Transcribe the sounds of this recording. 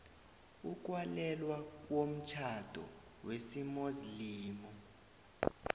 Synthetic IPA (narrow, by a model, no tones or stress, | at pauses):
uk̬ʼwalɛlwawom̩t͡ʃʰad̥ʱɔ̰ | wesimoziliːmɔ